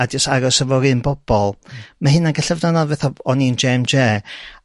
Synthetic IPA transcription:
adisaɾɔsəvɔɾɨnbɔb̥ɔlˠmahɨnaɡəɬəvnanavɛθɔɔnind͡ʒemd͡ʒeː

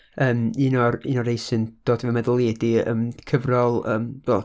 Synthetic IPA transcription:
əːmiːnɔriːnɔɾejsɨnd̥oːd̥vɛmɛðəlˠeːdiə̰ːmkʰəvrɔlˠə̰ːmbɛ

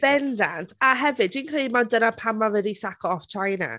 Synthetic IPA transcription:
b̥ɛndantʰaɦɛvɨdwiːnkʰrejmadənapʰamavɛdisakʰɔɔft͡ʃʰajna̰

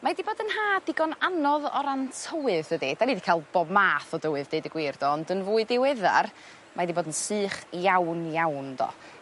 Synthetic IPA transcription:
madiboːdənɦaːdɪɡɔnanɔðɔ̰ɾantʰəwɨðədid̥anidikʰaːlˠb̥ɔbmaːθɔdəwɨðdeɨdəɡwɪrd̥ɔɔndənvuːɨdɪwɛða̰r | mʔadiboːdənsɨːχjawnjawndɔ̰

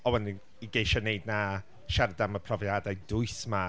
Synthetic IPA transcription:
ɔwɛndɪn | iɡejʃɔnejdna | ʃaɾdaməpʰrɔvjadajdʊɨθma

